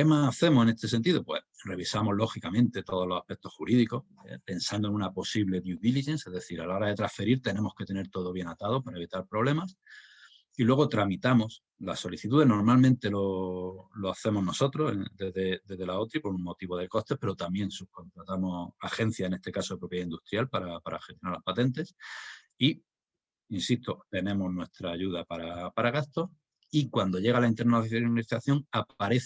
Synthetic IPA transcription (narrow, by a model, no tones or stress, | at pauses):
emaːθe̞moe̞ne̞st̪e̞sent̪iðo̞pwe̞̰sre̞βisamo̞zlo̞xikamẽ̞nt̪e̞t̪o̞ðo̞loahpe̞k̚t̪o̞hxuɾiðiko̞s | ḛpe̞nsand̪o̞nunapo̞siβle̞ðjuðiliʝe̞nse̞zðe̞θiɾalaoɾaðe̞t̪ɾasfe̞ɾiɾt̪e̞nẽ̞mo̞ske̞t̪e̞ne̞ɾt̪o̞ðo̞βje̞nat̪aðo̞paɾae̞β̞it̪aɾpɾo̞βle̞mas | ilwe̞ɣ̞o̞t̪ɾamit̪amo̞s | laso̞liθit̪uðe̞no̞ɾmalmẽnt̪e̞lo̞lo̞aθe̞mo̞zno̞so̞t̪ɾo̞sed̪eðed̪e̞zðe̞laot̪ɾipo̞ɾuŋmo̞t̪iβo̞ðe̞ko̞st̪e̞hpe̞ɾot̪amjẽ̞ŋsuko̞nt̪ɾat̪amo̞axe̞n̟θjaene̞st̪e̞kaso̞ðepɾo̞pjeaind̪ust̪ɾjalpaɾapaɾa̰xet̪jnaɾlapat̪e̞nt̪e̞s | i | insist̪o̞t̪e̞nẽ̞mo̞znwe̞st̪ɾaːʝuðapaɾapaɾaɣ̞ast̪o̞ | ikwand̪o̞ʝe̞ɣ̞alaint̪enaalit̪aθjo̞ŋapaɾe̞θ